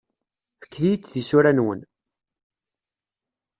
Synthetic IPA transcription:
fə̥kːlijt͡sːðisuɾænwə̰n

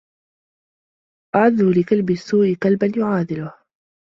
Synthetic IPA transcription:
ʔaʕaðːuːlɪqalbɪsːuːʔɪqalbanjʊʕaːd̪ɪlʊh

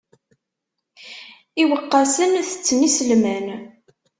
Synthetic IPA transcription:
iwəqːɑsənθə̥t͡sːnisəlmæn

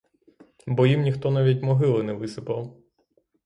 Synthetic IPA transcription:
bɔjimnʲixt̪ɔnaʋʲitʲmɔɦɪlˠɔnɛʋɪsɪpɐw

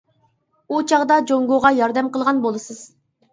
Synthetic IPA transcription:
ut͡ʃʰɑʁd̪ɑd͡ʒoŋɡoʁɑjɑɾd̪ɛmqəlˠʁɑnbolˠɨsɨz̥

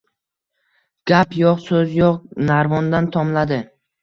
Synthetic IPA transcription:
ɡ̥ʲapjɒqsɵzjoqnaɾvɒnd̪ant̪ʰɒmlad̪ɪ

